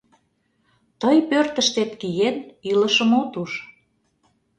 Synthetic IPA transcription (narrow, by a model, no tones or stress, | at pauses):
t̪əjpørt̪əʃt̪et̪kijeniləʃə̆mot̪uʃ